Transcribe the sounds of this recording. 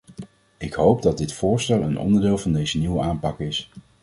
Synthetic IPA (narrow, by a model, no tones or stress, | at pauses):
ɪkɦowp̚dɑd̚dɪtfʊːɹstɛlˠənʔɔ̰ndəɹdɪːlˠvɑndejzəniwəaːmpɑkɪs